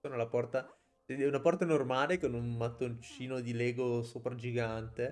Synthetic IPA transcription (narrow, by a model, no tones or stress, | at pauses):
oːnolapɔrt̪a | ɛunapɔrt̪anormaːlekonummat̪ːont͡ʃiːnod̪ilɛːɡosoːpɾad͡ʒiɡant̪e